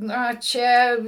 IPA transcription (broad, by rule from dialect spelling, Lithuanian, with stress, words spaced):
ˈnɐ ˈt͡ʃʲɛ